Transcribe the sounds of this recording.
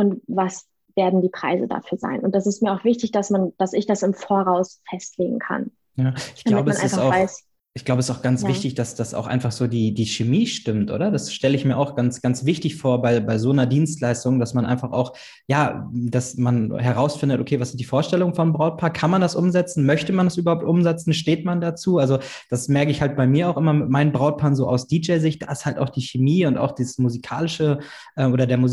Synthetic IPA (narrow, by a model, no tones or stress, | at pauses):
ʔʊntvas | veːɐdn̩diːpʁ̥a̰ɪzə̰da̰fyːɐza̰ɪnʊnt̚d̥asɪstmiːɐaʊxv̥ɪçtɪçd̥asmand̥asɪçd̥asɪmfoːɐʁaʊsfɛstleːɡŋ̩kʰa̰n | jaːʔɪçɡd̥alamʊbənʔaɪɪsfaaʊvaɪs | ʔɪçɡ̥laʊbəɛstaʊxɡ̥ant͡svvɪçtɪçd̥asd̥asʔa̰ʊxʔa̰ɪnfaχz̥oːdiːdiːʃemiːʃtɪmtʔo̰ːdɐdasʃtɛləɪçmiːɐʔaʊxɡ̥ansɡ̥ant͡sv̥ɪçtɪçfoːɐbaɪbaɪzoːnɐdiːnstlaɪstʊŋd̥asmanʔa̰ɪnfaχa̰ʊx | jaːd̥asmanɦɛʁaʊsfɪndətʔokʰeːvasz̥ɪntd̥iːfoːɐʃtɛlʊŋənfɔnmbʁaʊt̚pʰaːɐkʰanmandasʔʊmzɛt͡sn̩mœçtəmandasʔyːbɐhaʊp̚tʔʊmzɛt͡sn̩ʃteːtmandat͡suːalzo | d̥asmɛɐkəɪçhalt̚b̥aɪmiːɐaʊxʔɪmɐmɪtmaɪnnbʁaʊt̚pʰaːnzoːʔaʊsd̥iːd͡ʒɛɪzɪçtd̥a̰ːɪsthalta̰ʊxd̥iːçemiːʊnta̰ʊxd̥iːsmuzikʰaːlɪʃə | ʔɛːmʔoːɾɐdeːɐmuz